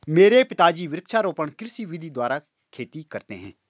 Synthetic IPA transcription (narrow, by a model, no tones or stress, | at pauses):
meːɾeːpɪt̪aːd͡ʒiːʋɪɾɪkʃaːɾoːpəɳkɪɾsiːʋɪd̪ʱiːd̪waːɾaː | kʰeːt̪iːkəɾt̪ḛːɦɛ̰̃ː